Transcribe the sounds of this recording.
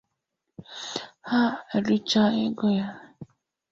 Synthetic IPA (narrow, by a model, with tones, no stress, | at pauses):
ha˦e˨ɾu˦t͡ʃa˦e˦ɡo˦ja˦